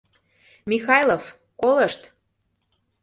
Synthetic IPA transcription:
mixɑjlˠof | kolɤʃt̪

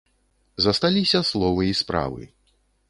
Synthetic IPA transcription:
zɐst̪alʲisʲɐslˠɔvɨispɾa̰vɨ̰

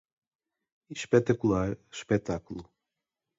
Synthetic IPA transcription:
iʃpɛt̪ɐkulˠaɾʃpɛt̪akulˠu

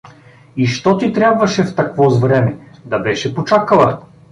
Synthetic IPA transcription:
iʃt̪ɔt̪it̪ɾʲabvɐʃɛft̪ɐkvɔzvɾɛmɛd̪ɐbɛʃɛpot͡ʃakəlˠɐ

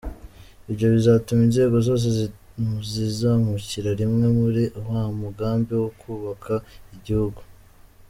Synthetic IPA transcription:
iβɟo̞βizatuminze̞ːɡo̞zo̞ːs̬e̞zi | uzizamuciɾaɾimŋe̞muɾiʔowamuɡaːmbiwokʰuːβakʰaiɟihuɡu

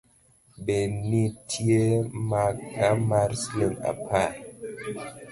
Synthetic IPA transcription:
benitʰijemakamaɾslena̰pʰa

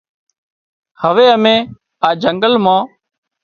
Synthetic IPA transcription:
həʋeːəmẽː | aːd͡ʒəŋɡəlmãː

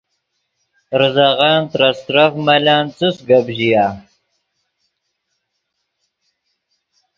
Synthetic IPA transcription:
ɾɨzaʁaːnt̪ɾast̪ɾafmalaːnt͡sɨsɡabʑijaː

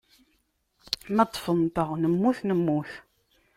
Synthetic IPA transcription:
mæt̪ˤːfənt̪əʁnəmːuθnəmːuθ

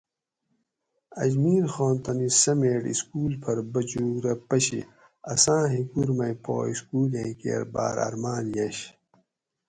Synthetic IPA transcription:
ɐ̰d͡ʑmiːɾxoːnt̪ɐnisɐmeːʈḭskuːlpʰɐɾbɐd͡ʑuːɾɐpɐɕḭ | ɐsãːɦikuɾmɐjpo̰ːiskuːlẽːkḛːɾba̰ːɾɐ̰ɾmaːnjɐɕ

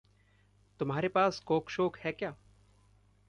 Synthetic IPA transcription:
t̪ʊmɦaːɾepaːskoːkʃoːkhɛkjaː

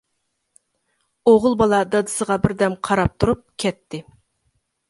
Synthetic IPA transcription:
oʁʊlˠbɑlˠɑd̪ɑd̪ɨsəʁɑbɪɾd̪ɛmqʰɑɾɑp̚t̪ʰuɾup̚kʲʰɛt̪ʰːɪ

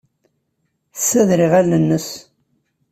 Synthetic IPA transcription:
θəsːæðɾɪʁælːənːəs

